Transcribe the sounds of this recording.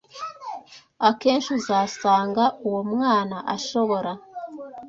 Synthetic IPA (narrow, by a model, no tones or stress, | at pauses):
ake̞ːnʃuzasaːŋɡauwomŋaːnaʔaʃo̞βo̞ɾa